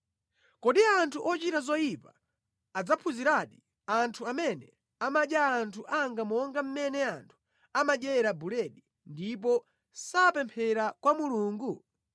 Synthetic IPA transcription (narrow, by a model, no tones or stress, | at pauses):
kɔɗiantʰuʔɔt͡ʃitazɔjipaː | d͡zapʰuziɾaɗi | antʰuamɛnɛ | amaɗjaːntʰuʔaŋɡamɔŋɡam̩mɛnɛantʰu̥ | amaɗɛɾabulɛɗi | ndip̬ɔ | sapɛmpʰɛɾakwamuluːŋɡu